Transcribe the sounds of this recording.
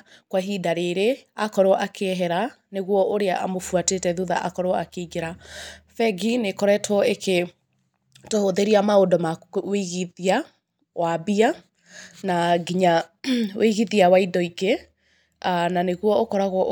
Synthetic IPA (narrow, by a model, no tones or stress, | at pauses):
kwaɦidaɾeɾeakɔɾeɔʔakʰeɛɦɛɾa | neɣwɔʔoɾeaʔa̰mofuatetɛðuða̰ʔa̰kɔɾɔakeɡeɾafɛɡinekɔɾɛtʰwɔekʰe | tohoðeɾiamaodɔmaweɣiðia | wabia | naɡiɲawʔeɣiðiawaidɔiɡe | ananeɣwɔokɔɾaɣwɔ